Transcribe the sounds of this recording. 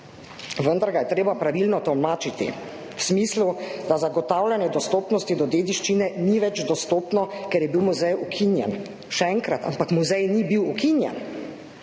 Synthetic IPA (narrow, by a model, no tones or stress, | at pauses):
ʋənd̪aɾɡajɛt̪ɾeːbapɾaʋilnɔt̪ɔwmaːt͡ʃit̪ḭ | wsmislud̪azaɡɔt̪aːwlʲanjɛd̪ɔst̪oːpnɔst̪id̪ɔd̪eːd̪iʃt͡ʃinɛniʋɛd͡ʒd̪ɔst̪oːpnɔkɛɾjɛbiwmuzɛjukʰinjɛ̰n | ʃɛɛŋkɾat̪a̰mpakmuzɛjnibiwukinjɛ̰n